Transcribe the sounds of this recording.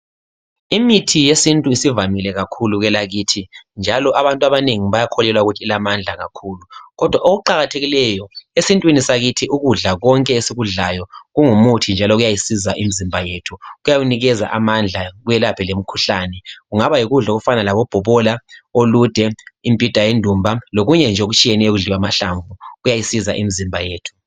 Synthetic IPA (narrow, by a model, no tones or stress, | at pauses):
imitʰijesintʼuisivamilɛɣakʰuluɣɛlaɣiːtʰind͡ʒʱalɔʔaβantʼwaβaneŋiβajakʰɔlɛlwauɣutʰiːlamand͡ɮʱaɣa̰kʰuːluɣɔd̥ʱwaʔoɣuǃaɣatʰeɣilɛjɔesintʼwinisaɣitʰiʔuɣuɮaɣɔŋkʼɛesiɣuɮajɔɣuŋumutʰind͡ʒʱalɔɣujajisizaʔimizimbʱajeːtʰuɣujaɣuniɣɛza̰ʔamand͡ɮʱaɣujɛlapʰɛlem̩kʰuɬaːnɛɣuŋaβajiɣuɮaoɣufanalaβɔb̥ʱɔβɔlaolud̥ʱɛimpʼid̥ʱajendʱumbʱaloɣuɲɛnd͡ʒʱoɣut͡ʃʼijɛnɛjɔɣuɮiwamaɬaɱvuɣujajisiza̰ʔimizimbʱajeːtʰu̥